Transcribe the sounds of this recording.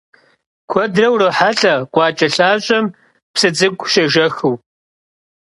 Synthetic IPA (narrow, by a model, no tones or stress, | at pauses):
kʷʰɔdrɐwrɐħaɬʼɐqʷʼɑːt͡ʃʼɐɬaːɕʼɐm | psɨt͡sʼɨɡʷʼʃɐʒɐxɨw